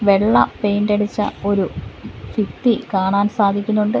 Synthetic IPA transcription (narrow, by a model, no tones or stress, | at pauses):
ʋe̞ɭːɐ̰pe̞jndɐɽit͡ɕːɐ̰o̞ɾufit̪ːikaːɳaːnsaːd̪ʱikʲːunːuɳɖɨ